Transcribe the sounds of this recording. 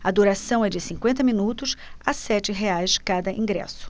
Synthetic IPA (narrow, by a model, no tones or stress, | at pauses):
ɐd̪uɾasɐ̃w̃ɛd͡ʒɪsĩkwẽnt̪ɐmĩnut̪ʊsasɛt͡ʃɪɦeajskad̪ɐʔĩɡɾɛ̰sʊ̥